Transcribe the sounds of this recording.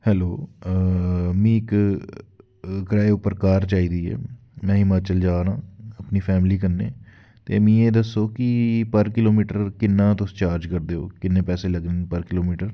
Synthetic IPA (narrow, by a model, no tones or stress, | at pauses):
hɛːloː | mĩːɪk | kɾaːeʊpːəɾkaːɾt͡ʃaːiːd̪iːɛ̰ː | mɛ̃ːɪmaːt͡ʃəld͡ʒaːnãːəpniːpʰɛːmliːkəɾneː | t̪ḛːmĩːeːd̪əsːoːkɪpəɾkɪloːmiːʈəɾkɪnːãːt̪ʊst͡ʃaːɾd͡ʒkəɾd̪eːo̰ːkɪnːẽːpɛːseːləɡniːpəɾkɪloːmiːʈəɾ